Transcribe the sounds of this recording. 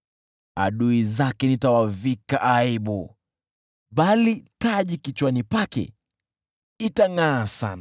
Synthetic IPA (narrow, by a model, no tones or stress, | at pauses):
a̰ɗuizakɛnitawavikaʔaiɓu | ɓalitaʄikit͡ʃwanipakɛ̰ | itaŋasa̰na